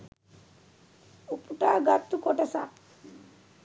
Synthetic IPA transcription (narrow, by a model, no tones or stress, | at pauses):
upuʈaːɡat̪ːukoʈasa